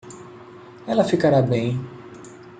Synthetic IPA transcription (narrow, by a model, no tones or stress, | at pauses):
ɛlɐfikaɾabẽj̃